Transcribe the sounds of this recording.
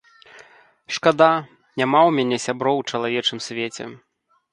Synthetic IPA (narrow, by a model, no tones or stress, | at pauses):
ʂkad̪a | nʲamawmʲanʲɛsʲabɾɔwt͡ʂɐlˠavʲɛt͡ʂɨmsʲvʲet͡sʲɛ̰